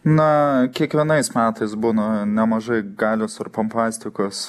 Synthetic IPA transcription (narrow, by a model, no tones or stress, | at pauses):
nɐkʲiɛkʋʲiɛnɐɪsmʲæːt̪ɐɪs̬buːnɐnʲɛmɐʒɐɪɡɑːlʲoːsɐrpɐmpɑːsʲt̪ʲɪkos